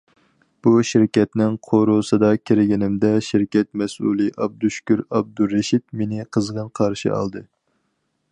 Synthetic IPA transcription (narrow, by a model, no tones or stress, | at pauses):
b̥uʃɪɾkʲɛt̪nɪŋqʰoɾusɨd̪ɑkʲʰiɾɪɡʲinɪmd̪ɛʃɪɾkʲɛt̪̚mɛsṵlˠɨʔɑb̚d̪uʃkʲyɾɑb̚d̪uɾːeʃit̪̚menɪqʰəzʁənqʰɑɾʃḭɑ̰lˠd̪ɨ